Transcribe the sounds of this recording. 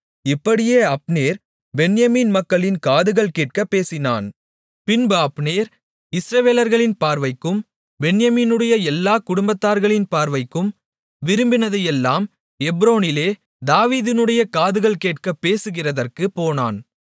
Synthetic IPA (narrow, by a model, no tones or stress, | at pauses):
ɪpːɐɽɪjeːɐpneːɾ | bɛnjɐmiːnmɐkːɐɭɪnkaːðɯɣɐɭkeːʈ̚kɐpːeːsɪna̰ːn | pɪnbɯɐpneːɾ | ɪsɾɐʋeːlɐɾɣɐɭɪnpaːɾʋɐɪkːɯm | bɛɳjɐmiːnɯɽɐjɐɛlːaːkʊɽʊmbɐt̪ːaːɾɣɐɭɪnpaːɾʋɐɪkːɯm | ʋɪɾɯmbɪnɐðɐjɛlːaːm | ɛbɾoːnɪleː | d̪aːʋiːðɪnɯɽɐjɐkaːðɯɣɐɭkeːʈ̚kɐpːeːsɯɣɪrɐðɐrkɯpːoːna̰ːn